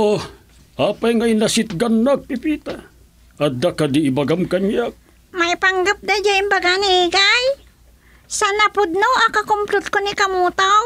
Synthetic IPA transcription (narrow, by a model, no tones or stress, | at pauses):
o | apajŋajnasit̪̚ɡanːak̚pipit̪a | ad̪akadiibaɡamkaɲjak̚ | majpaŋɡap̚d̪ad͡ʒaimbaɡaniɡaj | sanapʊd̪̚noakakʊmplʊt̪̚konikamut̪aw